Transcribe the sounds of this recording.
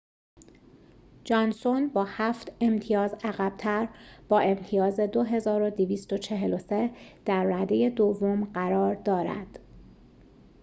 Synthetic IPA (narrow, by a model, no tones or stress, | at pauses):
d͡ʒɒːnsonbɒːhæft̪e̞mt̪ʰijɒːzæɣæb̥̚t̪ʰæɾb̥ɒːe̞mt̪ʰijɒːze̞d̪o̞ɦe̞zɒːɾo̞d̪iviːst̪o̞t͡ʃʰe̞ɦelo̞se̞d̪̥æɾːæd̪eje̞d̪ovːo̞mɢæɾɒːɾd̪ɒːɾæ̰d̪̥